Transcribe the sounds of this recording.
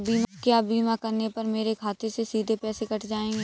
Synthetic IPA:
biːmkejaːbiːmakɐɾnepɐɾmeːɾekʰaːt̪esesiːd̪ʱepɛːsekɐʈʰd͡ʒaːẽːɡeː

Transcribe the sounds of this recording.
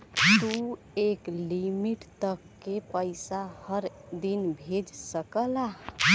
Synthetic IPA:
t̪u | eklimiʈt̪əkːepəɪsahəɾd̪inbʱed͡ʒsəkəla

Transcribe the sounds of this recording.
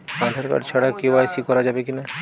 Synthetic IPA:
ãd̪ʱaɾka̰ɾt͡ʃʰaɽakebasikɔɾad͡ʒabekina

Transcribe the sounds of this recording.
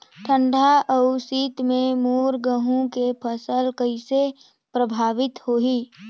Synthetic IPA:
ʈʰə̃ɳɖʱaʔəʊsiːt̪mẽmoːɾɡəɦũkepʰəsəlkəɪse | pɾəbʱaːʋɪt̪hoːɦiː

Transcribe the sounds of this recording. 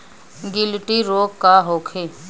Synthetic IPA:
ɡɪlʈiɾoːkkaɦoːkʰeː

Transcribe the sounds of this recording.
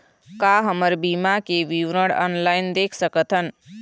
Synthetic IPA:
kaɦəməɾbiːmakeʋiʋɾəɽɔ̰ːnlaːɪnd̪eːkʰsəkət̪ɦən

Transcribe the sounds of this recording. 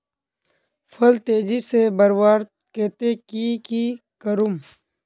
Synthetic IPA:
fʰɐlt̪eːd͡ʑisebəɾwaːɾt̪̚ | keːt̪ekikikəɾum

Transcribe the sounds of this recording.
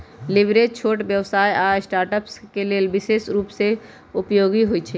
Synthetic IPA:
lɪbɾet͡ʃʰoːʈbjəʋsaːjʔaːsʈaːɾʈəpskeleːlbɪʃeːsɾuːpse | ʊpjoːɡiɦʊit͡ʃʰɛː

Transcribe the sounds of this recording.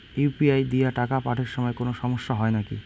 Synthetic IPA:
ipiajd̪ijaʈakapaʈʰeɾʃɔmɔekonoʃɔmoʃːaɦɔenakḭ

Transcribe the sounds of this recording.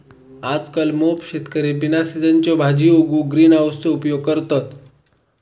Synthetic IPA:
ad͡zkalmopɕet̪kəɾibinasid͡zənt͡ɕjɔbʱad͡ʑioɡuɡɾiːnaʋəst͡soupjoɡ̚kəɾt̪at̪

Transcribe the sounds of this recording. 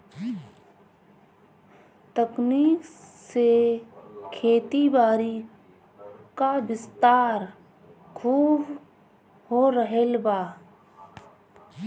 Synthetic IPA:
t̪əkniːkse | kʰeːt̪ibaːɾi | kaʋɪst̪aːɾ | kʰuːb | hoɾəɦelbaː

